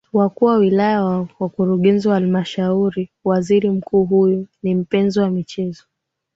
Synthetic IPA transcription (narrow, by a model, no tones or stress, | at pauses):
wakuːwawilajawawakuɾuɠɛnziwahalmaʃauɾiwaziɾim̩kʰuːɦujɔnim̩pɛnzɔwamit͡ʃɛzɔ